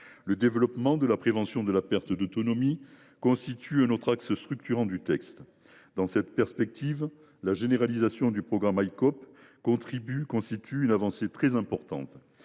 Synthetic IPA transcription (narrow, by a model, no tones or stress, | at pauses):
ləd̪evəlɔpmɑ̃d̪əlapχevɑ̃sjɔ̃d̪əlapɛʁt̪əd̪ot̪ɔnɔmi | kɔ̃st̪it̪ʰyɛ̃nɔt̪χaksst̪χyk̚t̪yʁɑ̃d̪yt̪ɛkst̪ | d̪ɑ̃sɛt̪pɛʁspɛk̚t̪iv | laʒeneʁalizasjɔ̃d̪ypχɔɡʁamajkɔp | kɔ̃t̪χibykɔ̃st̪it̪ʰyynavɑ̃set̪χɛzɛ̃pɔʁt̪ɑ̰̃t̪